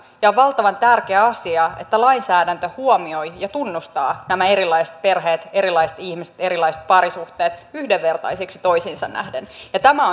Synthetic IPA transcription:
jɑoʋʋɑlt̪ɑʋɑnt̪ærkeæɑsiɑḛt̪ːælɑinsæːdænt̪øhuomiojjɑt̪unːust̪ɑːnæmæeɾilːˑɑist̪̚pe̞rɦeːt̪eɾilɑiset̪ihmise̥t̪e̞ɾilɑiset̪̚pɑɾisuht̪eːt̪yhdeʋːe̞rt̪ɑ̰jsiksi̥t̪oisinsɑnnæ̰hdenjɑt̪æmæo

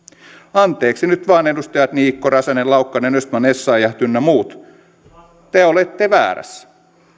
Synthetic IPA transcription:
ɑnt̪ˑe̞ːksinyt̪ʋɑːnedust̪ɑjɑt̪niːkːoɾɑsɑnelɑukːɑnenøst̪mɑnesːɑːjɑht̪ynːæmuːt̪ | t̪eolet̪ːeʋæ̰ːɾæ̰sː

